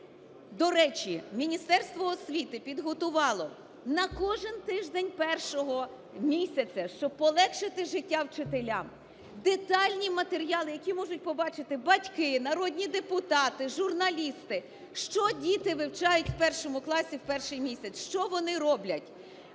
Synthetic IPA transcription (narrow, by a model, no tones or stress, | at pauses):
d̪ɔɾɛt͡ʃimʲinʲist̪ɛrst̪ʋɔːsʲʋʲit̪ɪpʲid̪ɦɔt̪ʊʋɑlˠɔ | nɐkɔʒɪnt̪ɪʒd̪enʲpɛrʃɔɦɔ | mʲisʲɐt͡sʲɐʃt͡ʃɔb̚pɔlˠɛkʃɪt̪ɪʒɪtʲːawt͡ʃɪt̪elʲam | d̪et̪ɑlʲnʲimɐt̪eɾʲijɑlˠɪjɐkʲimɔʒʊt̚ʲpɔbɑt͡ʃɪt̪ɪbɐtʲkɪnɐɾɔdʲnʲid̪epʊt̪ɑt̪ɪʒʊrnɐlʲist̪ɪ | ʃt͡ʃɔdʲit̪ɪʋɪwt͡ʃɑjʊtʲwpɛrʃɔmʊklˠɑsʲiwpɛrʃɪjmʲisʲɐt͡sʲʃt͡ʃɔʋɔnɪɾɔblʲɐtʲ